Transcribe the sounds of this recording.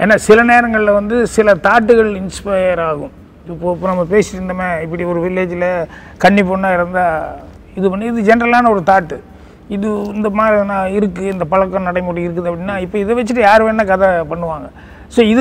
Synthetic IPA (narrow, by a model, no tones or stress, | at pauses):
ḛːnːaːsɪlɐneːɾɐŋɡɐɭɪlɐʋɐnd̪ɯsɪlɐt̪aːʈːɯɣɐɭɪnspɐɪjɐɾaːɣɯ̃m | ɪpːoːɪpːoːnɐmːɐpeːsɪʈːɾɯnd̪ɐmeːɪp̬ːɐɽiɔɾɯʋɪlːeːd͡ʒɪlɐ | kɐɳːipːoːɳːaːɪɾɯnd̪a | ɪðɯpɐnːɪðɯd͡ʒɛnɐɾɐlaːnɐɔɾɯt̪aːʈːɯ | ɪðɯɪnd̪ɐmaːd̪ɾɐðɯnːaːɪɾɯkːɯɪnd̪ɐpɐɭɐkːɐ̃nɐɽɐɪmoːɽiɪɾɯkːɐðɯɐpːɐɽɪnːaːɪpːoːɪðɛʋɛt͡ʃːɯʈ̬ːɯjaːɾɯʋeːnːɐkɐðɐpɐɳːɯʋaːŋɡɐ | soːɪðɯ